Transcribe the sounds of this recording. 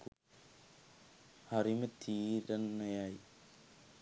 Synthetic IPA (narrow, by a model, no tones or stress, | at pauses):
ɐrimɐt̪ʰiːɾɐnːɐjaːji